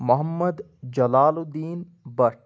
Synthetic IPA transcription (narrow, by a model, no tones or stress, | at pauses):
mʊɦɐmːəd̪ | d͡ʒɐlaːlud̪iːn | bɐʈ